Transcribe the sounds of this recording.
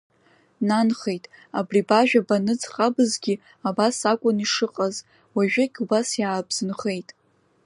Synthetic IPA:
nanχe̞jtʼabribaʒᶣabanɨd͡zχabɨzɡʲi | abasakʷʼʊniʂɨqʼaz | waʒᶣaɡʲubasjaːbz̥ɨnχe̞jtʼ

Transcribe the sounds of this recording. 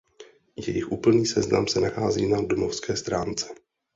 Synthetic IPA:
jɛjɪxʔuːpl̩niːsɛzna̰msɛnaxaːzḭːnadomo̞fskɛːst̪ɾaːnt͡sɛ̥

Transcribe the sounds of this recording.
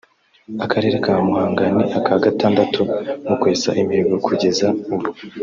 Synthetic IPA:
akʰaɾe̞ːɾekamuhaːŋɡaneʔakaɡataːndatʰumukweːsa̰ʔimiɡokʰuɟe̞zauβu

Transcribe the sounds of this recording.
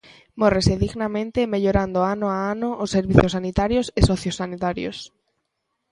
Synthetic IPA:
moreseðiɣnamẽnt̪emeʎoɾand̪oanoaanoʔosːeɾβiθjosanit̪aɾjosesoθjosːanit̪aɾjo̰s

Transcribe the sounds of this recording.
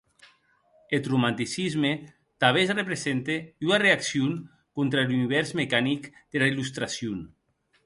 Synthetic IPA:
et̪rumãnt̪isizme | t̪aβesrepɾezent̪eunareaksjon | kont̪ɾaluniβ̞ɛɾzmekanikd̪̥elailust̪ɾasjun

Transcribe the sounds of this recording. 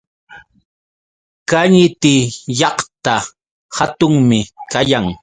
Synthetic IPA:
kaɲɪt̪ɪjɑχt̪a | hat̪ʊŋmɪkajaŋ

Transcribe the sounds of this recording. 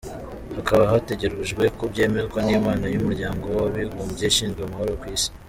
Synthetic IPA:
hakaβaɦate̞ɟeɾuʒɡwe̞kubɟe̞ːmekonimaːnajumuɾɟaːŋɡo̞waβiɡumbɟeʃiːnzɡweumahoɾokwiːsi̥

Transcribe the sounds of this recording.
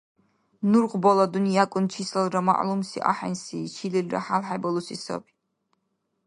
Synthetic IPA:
nuɾʁbɔlɔd̪unijakʼunt͡ʃʰisɛlɾama̰ʔlumsḭʔa̰ħɛ̰nsit͡ʃʰililra̰ħalħɛbɔlusisɔ̰bi

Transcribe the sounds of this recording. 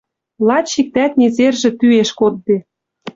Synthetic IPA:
lˠɑt͡ɕːik̚t̪æt̪nʲezerʒĕt̪yeʃkod̪̚be

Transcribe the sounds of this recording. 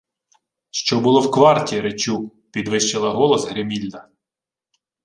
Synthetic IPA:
ʃt͡ʃɔbʊlˠɔwkʋɑrtʲiɾet͡ʃʲu | pʲid̪ʋɪʃt͡ʃɪlˠɐɦɔlˠɔsɦɾemʲilʲd̪ɐ

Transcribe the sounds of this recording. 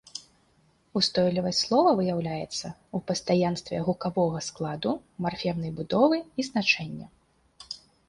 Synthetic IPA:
ust̪ɔjlʲivɐsʲtʲslˠɔvɐvɨjawlʲajɛt̪sːɐupɐst̪ajanst̪vʲɛɣukavɔɣɐsklˠad̪umarfʲɛwnɐjbud̪ɔvɨiznat͡ʂɛnʲːɐ

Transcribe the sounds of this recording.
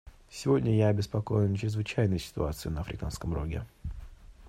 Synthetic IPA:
sʲɪvo̞dʲnʲəjaɐbʲɪspɐko̞jɪnt͡ɕɾʲɪzvɨt͡ɕæjnɨjsʲɪ̥t̪ʊ̰at̪sɨɪnəɐfɾʲɪ̰kanskəmro̰ɡʲɪ̰

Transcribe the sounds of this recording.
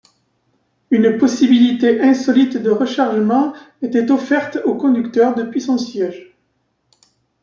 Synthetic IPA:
ynpɔsibilit̪eʔɛ̃sɔlit̪d̪əʁəʃaʁʒəmɑ̃ | et̪ɛt̪ɔfɛʁt̪okɔ̃d̪ykt̪œʁd̪əpɥisɔ̃sjɛʒ

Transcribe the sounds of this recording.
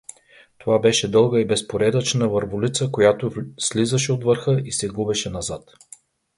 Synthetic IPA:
t̪ovabɛʃɛd̪ɤlˠɡəibɛspoɾɛd̪ət͡ʃnəvəɾvʊlit̪səkojat̪oslizəʃɛot̪vəɾxɤisɛɡubɛʃɛnɐzat̪

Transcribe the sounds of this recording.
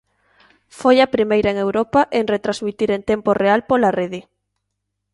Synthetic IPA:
fojɐpɾimejɾɐeŋewɾɔpaʔeŋret̪ɾazmit̪iɾent̪emporealpolareðɪ

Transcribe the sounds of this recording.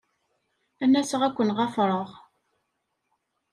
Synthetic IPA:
ænːæsəʁækʷːənʁɑfɾˤəʁ

